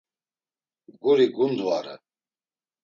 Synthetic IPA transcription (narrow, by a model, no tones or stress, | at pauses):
ɡuɾiɡund̪uaɾɛ̰